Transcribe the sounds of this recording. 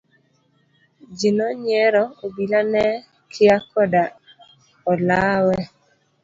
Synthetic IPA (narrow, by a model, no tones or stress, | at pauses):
d͡ʒinɔɲɛɾɔobilanɛ | kʰɪakɔda | ɔlawɛ